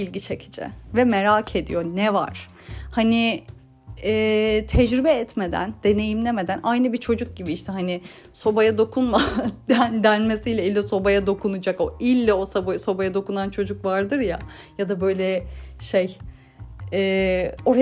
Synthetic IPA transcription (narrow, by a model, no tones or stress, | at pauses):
ilʲɟit͡ʃʰecʰi̥d͡ʒɛ̰vɛmeɾaːcʰe̞d̪ḭjo̞nɛva̰ɾ̥ | hanɪ | ɛːt̪ʰɛd͡ʒɾybɛɛt̪me̞d̪æ̰nd̪̥e̞ne̞jimlʲemed̪ænʔajnɯbit͡ʃʰo̞d͡ʒuk̚ɟibiiʃt̪ʰɛɦanɪ | so̞bajad̪o̞kʰunmad̪ænd̪ænmesijlʲɛilʲːɛso̞bajad̪o̞kʰunɯd͡ʒako̞ʔilʲːɛo̞sabajso̞bajad̪o̞kunant͡ʃʰo̞d͡ʒukvaɾd̪ɯɾja̰jad̪abø̞jlʲɛʃej | ɛːo̞ɾa